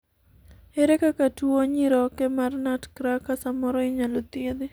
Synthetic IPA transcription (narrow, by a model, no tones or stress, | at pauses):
eɾekakatwoɲɪɾɔkemarnatkɾakːasamɔɾɔɪɲalot̪ɪd̪ɪ